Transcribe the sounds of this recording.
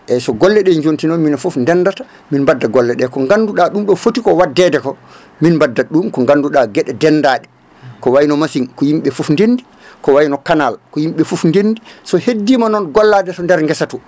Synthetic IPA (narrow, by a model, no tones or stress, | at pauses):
ʔɛsɔɡɔlːɛɗɛɲd͡ʒontinɔnminafufndɛnːdata | minmbadːaɡɔlːɛɗɛkɔŋɡanduɗaɗumɗɔfotikɔwadːɛdɛkɔ | minmbadːaɗumkɔŋɡanːduɗaɡɛɗɛdɛnːdaɗɛ | kɔwajinɔmasinkɔjimɓɛfufndendi | kɔwajinɔkanalkɔjimɓɛfufndendisɔhedːiːmanɔnɡɔlːadɛtɔndɛɾŋɡɛsatu